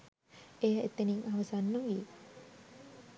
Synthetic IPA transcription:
ejəet̪ːeniŋaʋəsanːəʋi

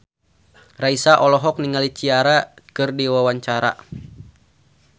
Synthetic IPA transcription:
raisaʔɔlɔɦɔk̚niŋalit͡ʃiaɾakɨrdiwawaɲt͡ʃaɾa̰

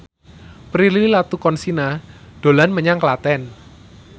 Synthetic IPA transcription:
pɾilililat̪ukɔnsinaɖ̥o̤lanməɲaŋklat̪ɛn

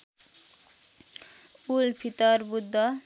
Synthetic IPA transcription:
ulpʰit̪ʌrbud̪ʱːʌ

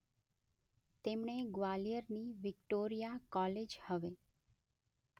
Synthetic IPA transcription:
t̪emɳeɡʋalijəɾniʋɪkʈoɾijakɔled͡ʒhəʋe

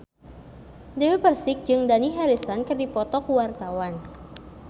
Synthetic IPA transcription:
dewepərsɪk̚d͡ʒɨŋdaniɦaɾisankɨrdipɔt̪ɔkuwart̪awan

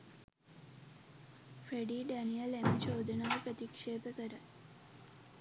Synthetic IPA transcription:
fɾeɖiːɖænijəlemət͡ʃoːd̪ənaːʋəpɾət̪ikʂeːpəkəɾə

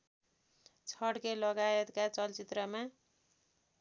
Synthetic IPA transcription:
t͡sʰʌɽkelʌɡaet̪kat͡sʌlt͡sit̪rʌma

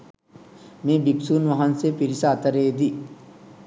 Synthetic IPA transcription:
mẽːbipsuːnʋɐɦɐnsepiɾisaːt̪ɐɾeːd̪i

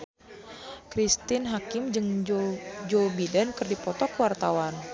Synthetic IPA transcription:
kɾist̪ɪnɦakɪmd͡ʒɨŋ | d͡ʒobidankɨrdipɔt̪ɔkəwart̪awan

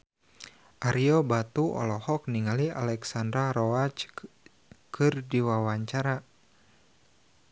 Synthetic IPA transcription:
ʔaɾiɔbat̪uɔ̰lɔhɔk̚niŋalia̰lɛksandɾaɾɔat͡ʃ | kɨrdiwawaɲt͡ʃaɾa

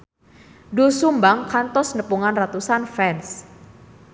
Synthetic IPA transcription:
dusumbaŋkant̪ɔsnəpuŋanrat̪usanfɛns

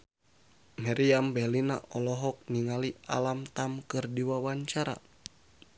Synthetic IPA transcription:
mɛɾiambɛlina̰ʔɔlɔɦɔk̚niŋalia̰lamt̪amkɨrdiwawaɲt͡ʃaɾa̰

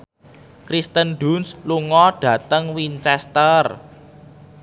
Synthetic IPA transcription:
kɾist̪ənɖṳnsluŋɔɖ̥ä̤t̪əŋwint͡ʃɛst̪ər

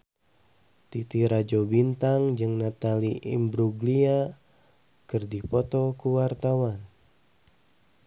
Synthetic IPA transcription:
t̪it̪iɾad͡ʒobint̪aŋd͡ʒɨŋnat̪aliʔḭmbɾuɡlia | kɨrdipɔt̪ɔkuwart̪awan

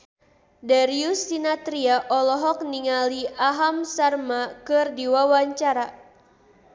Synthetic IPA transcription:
daɾiusːinat̪ɾiaʔɔlɔɦɔk̚niŋaliʔaɦamsarmakɨrdiwawaɲt͡ʃaɾa

